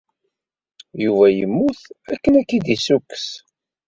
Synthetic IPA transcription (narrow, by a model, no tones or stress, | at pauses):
juvæjə̰mːuθækːənækːiðisukːs